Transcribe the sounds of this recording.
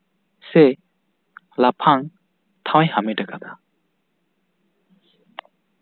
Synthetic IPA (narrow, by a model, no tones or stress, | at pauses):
se | lapʰaŋ | t̪ʰawajhamedakat̪ʰa